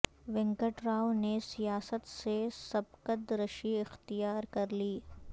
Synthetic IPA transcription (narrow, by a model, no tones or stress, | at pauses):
ʋɪ̃ŋkəʈɾaːonesijaːsət̪sesɐb̚kəd̪ɾəʃiɪxt̪ijaːɾkɐɾliː